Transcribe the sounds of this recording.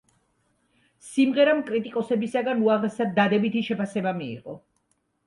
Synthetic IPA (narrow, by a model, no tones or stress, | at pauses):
simʁɛɾamkʼɾit̪ʼikʼɔsɛbisaɡanuaʁɾɛsad̪ːad̪ɛbit̪ʰiʃɛpasɛbamiḭʁɔ